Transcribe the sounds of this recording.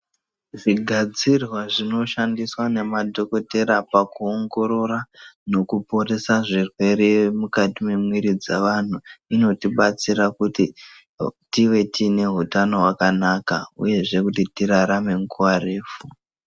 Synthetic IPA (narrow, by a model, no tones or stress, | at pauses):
ʐiɡʱad͡zirwaʐino̞ʃandiswane̞madʱo̞ko̞te̞ɾapakuoŋɡo̞ɾo̞ɾano̞kupo̞re̞saʐirwe̞ɾe̞mukatime̞mwiɾid͡zaʋan̤uino̞tiɓat͡siɾakuti | tiʋe̞tine̞ɦutano̞ɦwakanakaṵje̞ʐe̞kut̬itiɾaɾame̞ŋkuareːfu